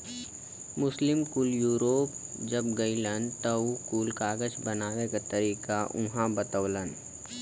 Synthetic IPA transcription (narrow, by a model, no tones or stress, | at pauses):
mʊslɪmkuːljuːɾoːp̚d͡ʒəbɡɐilənt̪əkuːlkaːɡəd͡ʒbɐnaːwekat̪əɾiːkaʔʊɦãbət̪əʋlən